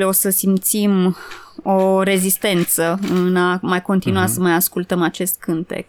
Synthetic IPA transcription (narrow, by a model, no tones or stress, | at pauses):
leo̞səsimt̪sim | o̞ɾe̞zist̪e̞nt̪səɨnamajko̞nt̪inuasəmajaskult̪əmat͡ʃe̞st̪̚kʰɨnt̪ḛk